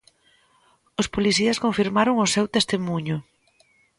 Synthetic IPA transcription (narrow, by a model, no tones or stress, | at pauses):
ʊspoliθiɐskõɱfiɾmaɾʊŋʊsewt̪est̪emuɲʊ